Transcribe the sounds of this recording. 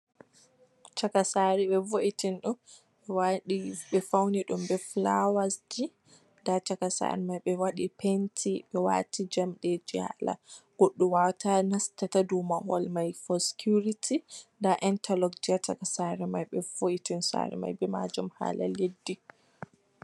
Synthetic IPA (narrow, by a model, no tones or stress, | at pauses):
t͡ʃakasaɾiɓɛvoʔitinɗɔn | ɓɛwaɗiɓɛfawniɗumbɛflawasd͡ʒi | ndat͡ʃakasa̰ɾɛmajɓɛwaɗipentʰiɓɛwa̰ːtʰid͡ʒamɗɛd͡ʒia̰la̰ɡ̥oɗːuwawtanastatadumahɔ̰lmajfɔskʰuɾitʰindaʔɛntalɔkd͡ʒiat͡ʃakasaɾɛmajɓɛvoʔitinsa̰ɾɛ̰ma̰jbɛma̰d͡ʒɔmha̰ːla̰ledːi